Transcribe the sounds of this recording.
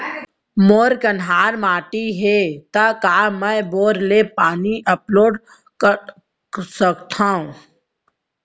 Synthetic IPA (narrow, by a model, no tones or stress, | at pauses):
moːɾkənɦaːɾmaːʈiɦet̪akaːməjboːɾlepaːniʔɐploːɖ | səkt̪ʰãũ